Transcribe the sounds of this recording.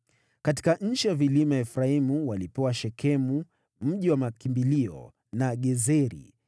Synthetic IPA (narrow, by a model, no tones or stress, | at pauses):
kati̥kaɲ̩t͡ʃiwavilimaɛfɾaimuwalipɛwaʃɛkʰɛmu | m̩ʄiwamakimbiliɔ̰ | naɠɛzɛɾḭ